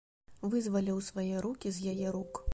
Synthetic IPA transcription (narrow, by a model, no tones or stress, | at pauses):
vɨzvɐlʲiwsvajɛɾukʲizjajɛɾuk